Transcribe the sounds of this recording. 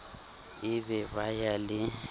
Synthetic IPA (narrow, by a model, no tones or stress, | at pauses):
ɪbɛβajalɪ